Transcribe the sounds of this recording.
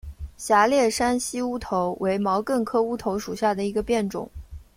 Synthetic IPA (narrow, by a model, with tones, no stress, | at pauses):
ɕja˧˥ljɛ˥˩ʂa˥nɕi˥u˥t̪ʰo˧˥ʊwe˧˥ɪmɑ˧˥ʊkə˥˩nkʰɤ˥u˥t̪ʰo˧˥ʊʂu˨˩ɕja˥˩d̪ə˩i˧˥ɡə˧pjɛ˥˩nʈ͡ʂʊ̰˨˩˦ŋ